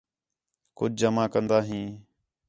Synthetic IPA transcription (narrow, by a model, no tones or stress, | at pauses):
kʊd͡ʒd͡ʒəmãːkənd̪aːɦĩː